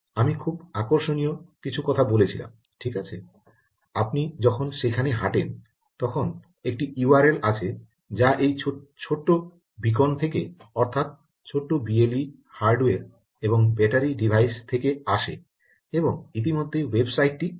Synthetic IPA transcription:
amikʰubakoɾʃonijokit͡ɕʰukɔt̪ʰabolet͡ɕʰila̰m | ʈʰikat͡ɕʰe | apnid͡ʑɔkʰonʃekʰaneɦaʈen | t̪ɔkʰon | ek̚ʈiuaɾelat͡ɕʰe | d͡ʑaʔejt͡ɕʰoʈːo | bik̬ont̪ʰekeɔɾt̪ʰat̪̚ | t͡ɕʰoʈːobieli | haɾɖoeɾ | eboŋbɛʈaɾiɖibʱajst̪ʰekeaʃḛ | eboŋit̪̬imod̪ʱːejwebsajʈːi

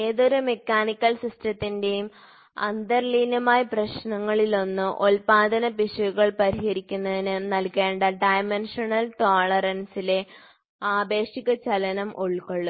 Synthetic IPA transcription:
e̞ːðo̞ɾumekːaːnikʲːɐlsistrɐt̪ːinde̞jum | ɐ̰nd̪ɐrliːnɐmaːjɐprɐɕnɐŋːɐɭilo̞nːɨʔolpaːd̪ʱɐnɐpiʂɐɣuɣɐɭpɐɾihɐɾikʲːunːɐðinɨnɐlkeːɳɖɐɖɐjmenʂɐnɐlʈoːɭɐrɐnsile̞ | aːbe̞ːʂiɣɐt͡ɕɐlɐnɐmʔoɭkːoɭːu

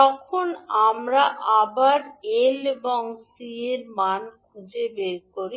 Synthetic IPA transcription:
t̪ɔkʰonamɾaʔabaɾeleboŋsieɾmankud͡ʑebeɾkoɾi

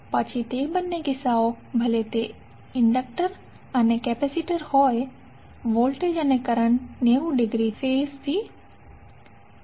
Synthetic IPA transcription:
pɐt͡ʃʰit̪ebɐnːeɡɪsaːo | bʱɐlet̪e | ɪɳɖək̚ʈəɾ | ɐnekɛːpɛsiʈəɾhɔːe | ʋoːlʈed͡ʒɐnekɐɾəɳneːũɖɪɡɾifeːst̪ʰiː

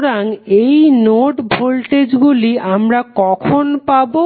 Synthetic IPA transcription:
ɾaŋejnoʈbʱolʈed͡ʑɡuliamɾakɔkʰonpabo

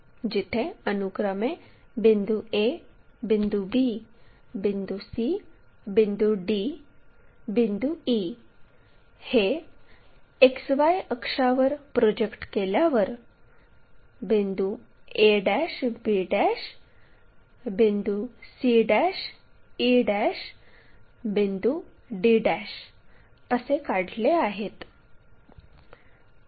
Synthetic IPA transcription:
d͡ʒɪt̪ʰẽənuɡɾəmẽ | bĩnd̪uebĩnd̪ubi | bind̪usibĩnd̪uɖi | bind̪ui | he | eksʋajəkʂaʋəɾpɾoːd͡ʒekʈkelaʋəɾ | bind̪ueɖæʂbiɽæʂ | bind̪usiɖæʂ | iɖæʂ | bind̪u | ɖiɖæɕ | əsekaɽleaɦet̪

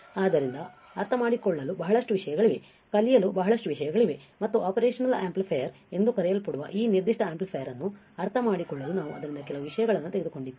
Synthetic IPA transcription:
aːd̪ɐɾind̪ɐ | ɐɾt̪ʰɐmaːɽikɔɭːɐlubɐɦɐɭɐʂʈuʋiʂɐjɐɡɐɭiʋe̞ | kɐlijɐlubɐɦɐɭɐʂʈuʋiʂɐjɐɡɐɭiʋemɐt̪ːuaːpɐɾeːʂɐnɐlaːmplpʰɐjɐɾ | e̞nd̪ukɐɾɛjɐlpɐɽuʋɐ̰ʔiːniɾd̪iʂʈʰɐaːmplpʰɐjɐɾɐnːu | ɐɾt̪ʰɐmaːɽikɔɭːɐlunaːʋuɐ̰d̪ɐɾind̪ɐkɛlɐʋuʋiʂɐjɐɡɐɭɐnːut̪eɡed̪uko̞ɳɖiʋːi

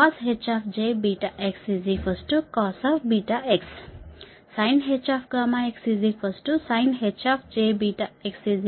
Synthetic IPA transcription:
asɦet͡ʃaːfʰd͡ʒebiːʈaʔeksizifʰəsʈukɔːsaːfbiʈaeks | sajnɦet͡ʃaːfʰɡaːmaeksizifʰəsʈusajnɦet͡ʃaːfʰd͡ʒeːbiʈaeksizi

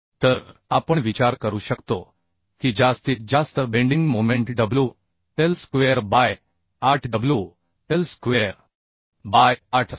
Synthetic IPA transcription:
t̪əɾapəɳʋit͡ɕaɾkəɾuːɕəkt̪o | kiːd͡ʑast̪iːt͡s̚d͡ʑast̪əbẽɳɖĩŋɡmomẽɳʈɖəblu | ʈelskʋeəɾbaj | aʈʰɖəblju | ʈelskʋeɾ | bajaʈʰ

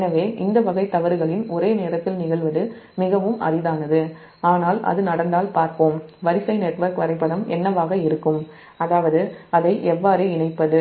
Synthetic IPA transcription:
nɐʋeːʔɪnd̪ɐʋɐɣɐɪt̪ːɐʋɐɾɯɣɐɭɪnɔɾeːneːɾɐt̪ːɪlnɪɣɐɭʋɐðɯmɪɣɐʋɯmɐ̰ɾɪðaːnɐðɯ | aːnaːlʔɐ̰ðɯnɐɽɐnd̪aːlpaːɾpoːmʋɐɾɪsɐɪnɛʈʋɐɾkʋɐɾɐɪpːɐɽɐmɛ̰nːɐʋaːɣɐɪɾɯkːɯm | ɐðaːʋɐðɯɐðɐɪʔɛʋːaːɾɯɪɳɐɪpːɐðɯ

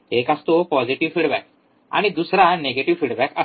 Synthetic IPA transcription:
ekast̪opɔd͡ʑiʈiʋfiɽbæk̚ | a̰ɽ̃ñid̪usɾaneɡeʈiʋfiɖbɛkə

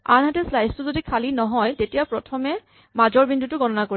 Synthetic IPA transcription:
a̰nɦatɛslajstʊzodikʰalinɔɦɔjtetijapɹɔtʰɔmɛ | mazɔɹbindutʊɡɔnɔnakoɹi

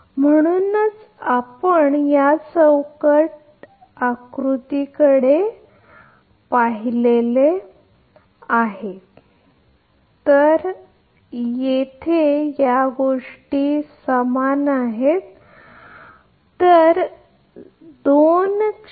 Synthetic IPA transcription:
m̤əɽ̃unət͡s | apəɳjasə̃wkəʈ | akɾut̪ikəɽe | paɦilele | aɦe | t̪əɾ | jet̪ʰejaɡoʂʈiːsəmanaɦet̪ | əɾ | d̪on

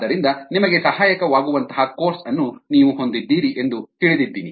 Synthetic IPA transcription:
d̪ɐɾind̪ɐnimɐɡe̞sɐhaːjɐkɐʋaːɡuʋɐnt̪ɐɦɐko̞ːɾsɐnːuniːʋuɦo̞nd̪id̪ːiːɾiʔe̞nd̪ut̪iɭid̪id̪ːiːni

